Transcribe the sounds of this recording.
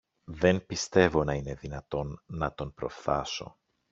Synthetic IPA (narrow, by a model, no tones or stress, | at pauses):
ðe̞npist̪e̞vo̞nɐine̞ðinɐt̪o̞nːɐt̪o̞npɾo̞̰fθɐso̞̰